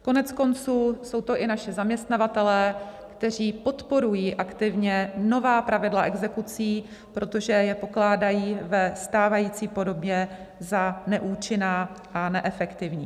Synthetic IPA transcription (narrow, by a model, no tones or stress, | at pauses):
ko̞nɛt͡sko̞nt͡suːso̞wt̪o̞ʔɪnaʃɪzamɲɛst̪navat̪ɛlɛːkt̪ɛr̝iːpo̞t̪po̞ɾujiːʔakt̪ɪvɲɛno̞vaːpɾavɪdlaʔɛɡzɛkut͡siː | pɾo̞t̪o̞ʒɛjɛpo̞klaːdajiːvɛst̪aːvajiːt͡siːpo̞do̞bjɛ | zanɛʔuːt͡ʃɪnaːʔanɛʔɛfɛkt̪ɪvɲiː